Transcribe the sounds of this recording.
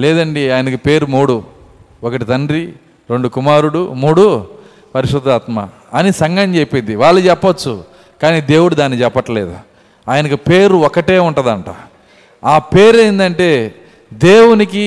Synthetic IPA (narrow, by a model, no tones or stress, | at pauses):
lɛːd̪ɐɳɖiaːjɐnɐkipe̞ːɾumuːɽu | ɔkɐʈit̪ɐɳɖɾi | ɾe̞ɳɖukumaːɾuɽumuːɽu | pɐɾiʂɾud̪aːt̪ma̰ | ɐnisɐŋɡɐɲt͡ʃepind̪iʋaːɭːɐt͡ʃɛpːɐɐt͡ʃːu | kaːniːd̪e̞ːwuɽud̪aːnːit͡ʃɛpːɐʈːɐleːd̪ṵ | aːjɐnɐkipeːɾuɔkɐʈe̞ːuɳʈɐd̪ɐɳʈa̰ː | aːpe̞ːɾɐjind̪ɐɳʈe̞ː | d̪e̞ːwuniki